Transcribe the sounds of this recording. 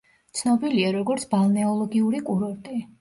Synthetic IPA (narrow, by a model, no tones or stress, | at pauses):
t̪sʰnɔbiliaɾɔɡɔɾt̪sʰbalˠnɛɔlˠɔɡiuɾikʼuɾɔɾt̪ʼi